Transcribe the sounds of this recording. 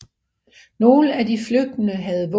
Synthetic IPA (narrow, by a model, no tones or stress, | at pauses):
no̝ːləædifløɡ̥̚d̥ənəɦæð̞̩ˠʋɔ